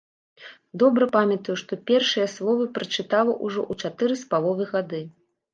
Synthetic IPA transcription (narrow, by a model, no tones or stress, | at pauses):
d̪ɔbɾɐpamʲɐt̪ɐjuʂt̪ɔpʲɛrʂɨjɐslˠɔvɨpɾɐt͡ʂɨt̪alˠɐʔuʐɔ̰ʔut͡ʂat̪ɨɾɨspalˠɔvɨɣad̪ɨ